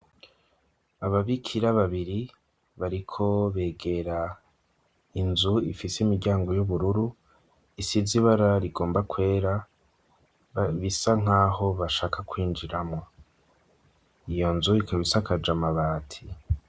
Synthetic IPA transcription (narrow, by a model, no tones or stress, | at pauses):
aβaβikʰiɾaβaβiɾi | βaɾikʰo̞βe̞ːɡe̞ɾa | inzuifiseimiɾɟaːŋɡo̞juβuɾuɾu | isiziβaɾaɾiɡo̞ːmbakwe̞ːɾa | βisaŋ̥aːho̞βaʃaːkʰakwiːnd͡ʒiɾamŋo | ijo̞nzuikʰaβisakad͡ʒamaβaːtʰi